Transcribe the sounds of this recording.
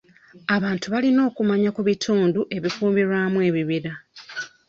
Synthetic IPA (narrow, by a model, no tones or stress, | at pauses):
aβaːntuβalino̞ːkumaɲakuβitʰuːnduʔe̞βikuːmiɾwaːmwe̞ːβiβiɾa